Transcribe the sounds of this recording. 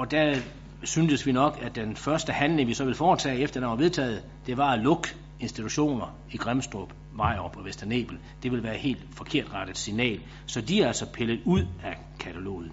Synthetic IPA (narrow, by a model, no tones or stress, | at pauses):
ɒ̽d̥æ | synsəsʋinɒ̽ɡ̥æd̥enfɶɐsd̥əhænle̝ŋʋisɒ̽ʋe̝lfɒːt͡sʰɛ̰ːefd̥ɐdɑnʋɑʋe̝ðˠt͡sʰɛ̰ːð̞̩ˠ | d̥e̝ʋɑ̈loɡ̥ | e̝nsd̥it͡sʰuɕo̝̰ːnɐ | iɡ̥ʁamsd̥ʁob̥ | mɑ̈ɪ̰ʁpʰɒ̽ʋesd̥ɐne̝̰ːb̥l̩ | d̥e̝ʋe̝lʋæːɐhe̝̰ːld̥fɒ̽kʰe̝ɐ̰d̥ʁɑd̥əð̩ˠsinɛ̰ːl | sɒ̽d̥iæælsɒ̽pʰeləð̩ˠuð̰ˠæ | kʰæt͡sʰælo̝̰ːð̩ˠn